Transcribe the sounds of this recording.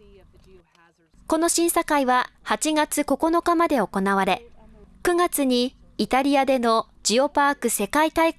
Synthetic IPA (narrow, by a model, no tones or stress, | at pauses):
ko̞no̞ɕĩɰ̃sakaiβa | hat͡ɕiɡat͡sɨko̞ko̞no̞kamad̪e̞o̞ko̞naβaɾe̞kɯ̟ɡat͡sɨɲ̟iː | t̪aɾʲiad̪e̞no̞ | d͡ʑio̞paːkɯ̟se̞kait̪ai